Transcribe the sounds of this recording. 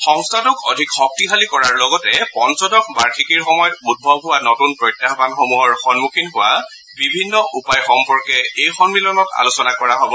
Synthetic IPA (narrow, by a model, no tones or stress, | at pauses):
xɔŋstʰatʊkɔ̰dʱikxɔk̚tiɦalikɔɹaɹlɔɡɔtɛpɔnsɔdɔk̚baɹkʰikiɹxɔmɔjɔtud̚bʱɔbɦʊwanɔtunpɹɔjtːjaɦbanxomuɔɹxɔnmukʰinɦʊwa | bibʱinːɔʔupajxɔmpɔɹkɛejxɔnmilɔnɔta̰lusɔnakɔɹaɦobɔ